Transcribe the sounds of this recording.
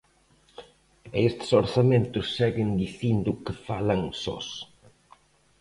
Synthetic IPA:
est̪soɾθamẽnt̪ʊsːɛɣɪnd̪iθind̪ʊkɪfalɐŋsɔ̰s

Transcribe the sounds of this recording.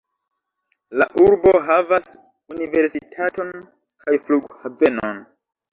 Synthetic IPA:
laʔuɾboɦavas | unive̞ɾsitʰato̞n | kʰajfluɡhave̞no̰n

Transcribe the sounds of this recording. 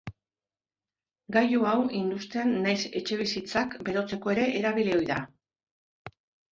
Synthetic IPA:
ɡajuawind̪ust̪eanːajse̞̰t͡ʃe̞β̞isit͡sakbe̞ɾo̞t͡se̞ko̞e̞ɾe̞ʔːɾaβ̞ileo̞jða

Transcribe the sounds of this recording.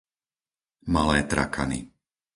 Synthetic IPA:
malɛːt̪ɾa̰kʰa̰nḭ

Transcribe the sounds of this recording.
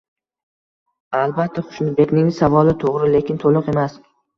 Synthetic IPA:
alˠbat̪ʰːaχʊ̥ʃnɪbe̞kʲnɪŋsavɒlɪt̪ʰoʁɾɪle̞kʲɪnt̪ʰolˠʊqe̞mas

